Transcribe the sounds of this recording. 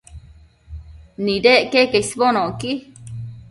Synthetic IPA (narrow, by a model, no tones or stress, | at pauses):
nĩdeʔkekesβonõki